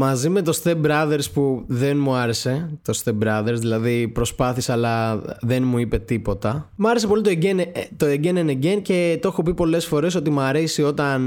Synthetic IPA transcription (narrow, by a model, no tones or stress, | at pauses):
mɐzime̞t̪o̞sθebɾɐðe̞ɾspuðenmuɐɾe̞se̞t̪o̞st̪ebɾɐðe̞ɾsðilɐðipɾo̞spɐθisːlɐðe̞nmuipe̞t̪ipo̞t̪ɐmɐɾese̞po̞lit̪oeent̪o̞eɟeneneɟe̞nce̞t̪oexo̞pipo̞le̞sfo̞ɾe̞s̬o̞t̪imɐɾesio̞t̪ɐn